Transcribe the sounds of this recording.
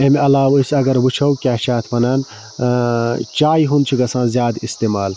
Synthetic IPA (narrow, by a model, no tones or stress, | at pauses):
emiɐlaːwisɐɡɐɾʋut͡ʃʰɐwkʲaːʃaːt̪ʰmɐnaːn | t͡ʃaːjɦunt͡ʃʰiɡɐsãːzʲjaːd̪ist̪eːmaːl